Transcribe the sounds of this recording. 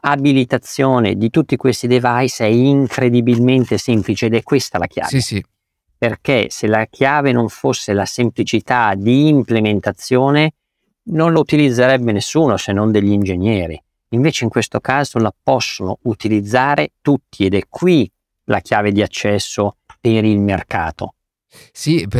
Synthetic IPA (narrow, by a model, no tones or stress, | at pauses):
abilit̪at̪sːjoːnḛd̪it̪ut̪ːikwest̪id̪evajsɛiŋkɾed̪ibilment̪esemplit͡ʃeːd̪ɛkːwest̪ala̰k̟ja̰ːve | perk̟eselakʰjaːvenoɱfosːelasemplit͡ʃit̪ad̪iːmplement̪at̪sːjoːne | nonlout̪ilid̪zːeɾɛbːenesːuːnosenːond̪eʎːiind͡ʒeɲːjɛːɾḭ | iɱveːt͡ʃeiŋkwest̪okaːzolapɔsːonout̪ilid̪zːaːɾet̪ut̪ːied̪ɛkʰːwi | lʔa̰k̟jaːved̪iat͡ʃːɛsːopeɾilmerka̰ːt̪o̰ | si